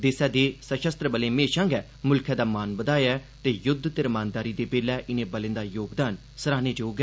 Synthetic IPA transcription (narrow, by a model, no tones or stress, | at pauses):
d̪eːsɛːd̪eːsəʃəst̪ɾəbəleːmeːʃãːŋɡɛː | mʊlkʰjɛ̃ːd̪aːmaːnbəd̪aːjɛː | t̪eːjʊd̪ʱːt̪eɾmaːnd̪aːɾiːd̪eːbeːlɛːʔɪnẽːbəlɪ̃ːnd̪aːjoːɡd̪aːn | səɾaːneːd͡ʒoːɡɛː